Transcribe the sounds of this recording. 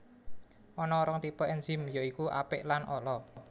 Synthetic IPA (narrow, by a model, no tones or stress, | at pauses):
ʔɔnɔːɾɔŋt̪ipɔʔɛnd͡ʒɪ̤mjoikuʔa̰pɪʔlanʔɔlɔ